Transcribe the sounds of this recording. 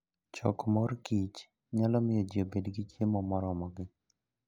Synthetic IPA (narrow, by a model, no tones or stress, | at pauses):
t͡ʃɔ̰kmɔrkit͡ʃ | ɲalɔmɪjɔd͡ʒiobedɡit͡ʃjemɔmɔɾɔmɔɡɪ